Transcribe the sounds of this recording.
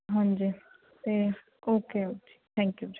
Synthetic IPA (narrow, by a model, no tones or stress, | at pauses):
ɦãnd͡ʒi | t̪e | oːkeokit̪ʰɛ̃ːŋkjud͡ʒ